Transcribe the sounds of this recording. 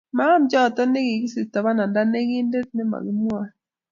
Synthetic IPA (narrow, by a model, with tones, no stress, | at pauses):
ma˦md͡ʒɔ˦˨tɔ˦ne˦ɡɪ˨ɡɪ˦si˨ta˨βa˦na˨nda˦ne˦ɡi˦nde˦t̚nɪ˦ma̰˨ɡi˦mwa˦